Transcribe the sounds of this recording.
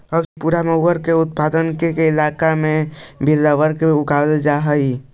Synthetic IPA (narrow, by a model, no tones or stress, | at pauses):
əbspuːɾaməɦəɾkeʊt̪̚pad̪ənkekeɪlakamẽbʱilːaʋəɾkeʊkald͡ʒaɦəi